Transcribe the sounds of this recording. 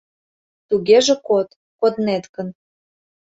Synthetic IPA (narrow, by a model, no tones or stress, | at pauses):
t̪uɣeʒĕkot̪ | kod̪net̪kə̆n